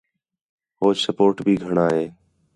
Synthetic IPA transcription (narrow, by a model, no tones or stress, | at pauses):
ɦoːsəpoːɾʈbʱiːɡʱəɳaːɦeː